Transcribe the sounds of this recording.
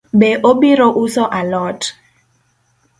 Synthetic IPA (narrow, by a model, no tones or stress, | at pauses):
beʔobiɾoʔusɔʔalɔt